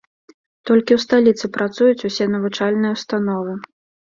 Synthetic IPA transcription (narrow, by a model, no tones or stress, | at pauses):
t̪ɔlʲkʲiwst̪alʲit̪sɨpɾat̪sujut͡sʲusʲɛnɐvut͡ʂalʲnɨjɐwst̪an̪ɔvɨ